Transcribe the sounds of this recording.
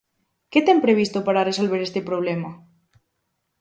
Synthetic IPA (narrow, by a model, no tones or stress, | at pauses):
ket̪ɛmpɾeβ̞ist̪opaɾaresolβeɾest̪epɾoβ̞lema